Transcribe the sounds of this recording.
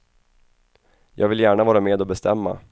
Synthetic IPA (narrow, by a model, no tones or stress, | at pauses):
jʔɑːɡvɪljæːɳavɑːɾameːd̪ɔbɛst̪ʰɛmːa̰